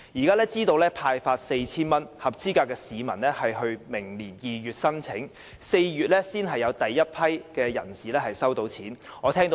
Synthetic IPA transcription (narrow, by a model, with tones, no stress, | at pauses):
jiː˨˩kaː˥lɛː˥t͡siː˥t̪o˧wlɛː˥pʰaː˧jfaː˧t̚se˧jt͡sʰiː˥nmɐ˥nhɐ˨p̚t͡siː˥kaː˧kːɛː˧siː˨˧mɐ˨˩nlɛː˥hɐ˨jɦɵ˧ɥmɪ˨˩ŋliː˨˩njiː˨jyː˨t̚sɐ˥nt͡sʰɪ˨˥ŋ | se˧jɥyː˨t̚lɛː˥siː˥nɦɐ˨jːɐ˨˧wt̪ɐ˨jːɐ˥t̚pʰɐ˥jkɛː˧jɐ̰˨˩nsiː˨˩lɛː˥hɐ˨jsɐ˥wt̪o˧wt͡sʰiː˨˥nɔː˨˧t̪ʰɛː˥ŋt̪o˧